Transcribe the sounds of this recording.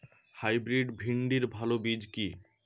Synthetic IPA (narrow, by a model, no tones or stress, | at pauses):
hajbɾiɖbʱiɳɖiɾbʱalobid͡ʑki